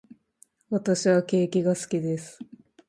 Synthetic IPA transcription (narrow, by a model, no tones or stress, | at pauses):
βat̪aɕiβake̞ːkʲiɡasɨ̥kʲid̪e̞sɨ̥